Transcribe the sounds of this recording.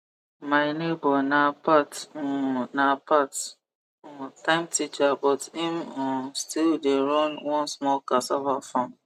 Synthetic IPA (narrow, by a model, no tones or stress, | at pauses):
maɪnebɔnapat | napat | tãɪ̃mtit͡ʃabɔtimɔ̃stildeɹɔ̃nwɔ̃nsmɔlkasɔvafɔ̃m